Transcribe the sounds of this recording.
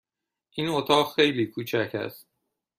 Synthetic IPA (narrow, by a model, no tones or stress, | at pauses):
ʔiːnot̪ʰɒːɣxe̞jliːkʰuːt͡ʃʰæcʰæ̰st̪̚